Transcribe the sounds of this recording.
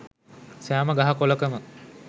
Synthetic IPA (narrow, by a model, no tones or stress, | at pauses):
sæːməɡaɦɐkoləkəmə